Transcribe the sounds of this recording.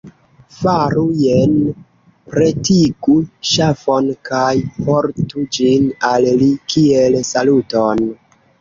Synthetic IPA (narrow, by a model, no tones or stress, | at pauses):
faɾujen | pɾetiɡuʃafonkajpoɾtud͡ʒinallikielsaluton